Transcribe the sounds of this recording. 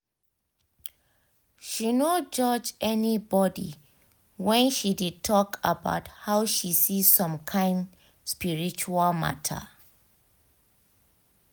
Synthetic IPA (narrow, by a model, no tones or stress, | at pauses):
ʃinod͡ʒɔd͡ʒɛnibɔdḭ | wɛ̃nʃidid̚tʰɔkʰa̰ba̰ʊthaʊʃisizsɔ̃mkʰãɪ̃nd | spiɹit͡ʃualma̰tʰə̰